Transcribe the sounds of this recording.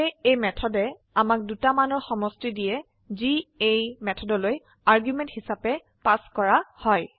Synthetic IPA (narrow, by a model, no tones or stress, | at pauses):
eejmɛtʰɔdɛ | amak̚dutamanɔɹxɔmɔstidijɛ | ziejmɛtʰɔdɔloj | aɹɡjumɛ̃nthisapɛ | paskɔɹahɔj